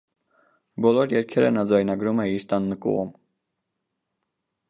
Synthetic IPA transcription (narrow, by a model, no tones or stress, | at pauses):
bɔlɔɾjɛɾkʰɛɾə̰nɑd͡zɑjnɑɡɾumɛiɾt̪ɑnːəkṵʁum